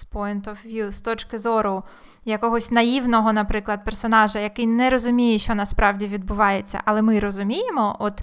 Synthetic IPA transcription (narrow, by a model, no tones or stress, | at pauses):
spɔjnt̪ɔwʋʲjust̪ɔt͡ʃkɪzɔɾʊ | jɐkɔɦɔsʲnɐjiwnɔɦɔnɐpɾɪklˠɐd̪̚persɔnɑʒɐjɐkɪjnɛɾɔzʊmʲijɛʃt͡ʃɔnɐspɾɑwdʲiʋʲid̪̚bʊʋɑjet͡sʲːɐ̰ʔɐlˠɛmɪɾɔzʊmʲijemɔʔɔt̪